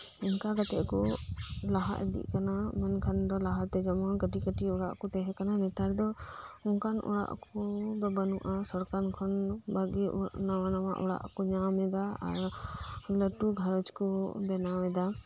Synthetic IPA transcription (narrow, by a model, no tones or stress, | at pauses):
inkaɡat̪ɛʔkɔlaɦa̰ʔd̪ḭʔkanamɛnkʰand̪ɔlaɦaɾt̪ɛd͡ʒamɔnɡəʈikəʈiuɽa̰ʔkɔt̪ɛɦɛkananɛt̪aɾd̪ɔ | unkʰanṵɽa̰ʔkɔd̪ɔbənuʔasɔɾkankʰɔnbaɡɛnawanama̰ʔɔ̰ɽa̰ʔkɔɲamɛd̪aa̰ɾ | ləʈuɡʱaɾɔt͡ʃkɔbɛnamɛd̪a